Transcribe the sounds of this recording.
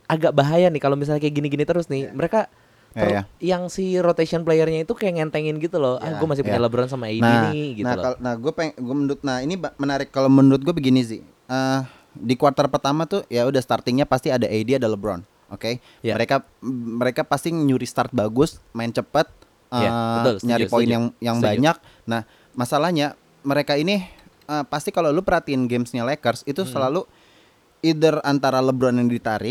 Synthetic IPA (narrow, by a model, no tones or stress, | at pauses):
ʔaɡaʔ̚baɦajanɪkalomis̬alakaɡiniɡinit̪əɾʊsnɪhməɾeka | t̪ɾjajaŋsiɾot̪esiɔnplejərɲait̪ukajaŋɛnt̪eŋɪnɡit̪ulɔhʔaɡuamasɪhpuɲaləbɾɔns̬amaaidnainɪɡitnaul̰anahɡuapeɡuamənuɾʊt̪̚nahinibmənaɾɪkːalowmənuɾʊt̪̚ɡuabəɡinisɪ̰ | ə | dikuart̪ərpərt̪amat̪ujaudahst̪art̪ɪŋɲapast̪iadaʔajdiadaləbɾɔ̰n | oke | məɾeka | məɾekapast̪iŋəɲuɾist̪art̪̚baɡʊsmaɪnt͡ʃəpət̪̚ | əɲaɾipoɪnjaŋjaŋbbaɲak̚ | nah | masalahɲa | məɾekaini | əːpast̪ikalawlupərhat̪iɪnɡemsɲalekərsit̪usəlalu | idərant̪aɾaləbɾɔnjaŋdit̪aɾɪ